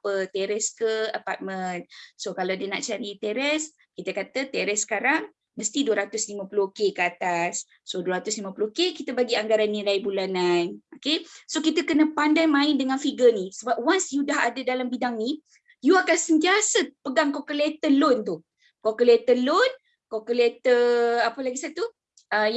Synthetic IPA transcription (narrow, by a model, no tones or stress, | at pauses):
pət̪ɛɾɛskəəpa̰t̪̚mənsokalawdəna̰ʔt͡ʃaɾit̪ɛɾɛs | kit̪əkat̪ət̪ɛɾɛsːə̥kaɾaŋ | məst̪iduəɾat̪ʊslimãpəlukekəat̪asː | oduwəɾat̪ʊslimãpuluhkekit̪əbaɡiaŋɡaɾanːilajbulananokesokit̪əkənə̃pandajmãɪndəŋãnfiɡənĩsəbap̚wansjudaɦadədalambidaŋni | juakansənt̪iasəpəɡaŋkokəlet̪əlʊnt̪u | kokəlet̪əlʊn | kokəlet̪əapəlaɡisat̪u | ʔə